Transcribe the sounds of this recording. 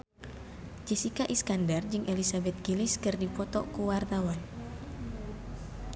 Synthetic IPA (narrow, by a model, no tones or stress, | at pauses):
d͡ʒisikaʔiskandard͡ʒɨŋʔelisabɛt̪̚ɡiliskɨrdipɔt̪ɔ̰kuwart̪awan